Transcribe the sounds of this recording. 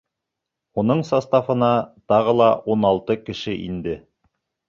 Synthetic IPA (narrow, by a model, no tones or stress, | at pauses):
unɤɴsɑst̪ɑfɤ̆nɑt̪ɑʁɤlˠɑʔunɑlˠt̪ɤkɘ̆ʃɘʔḭnd̪ɘ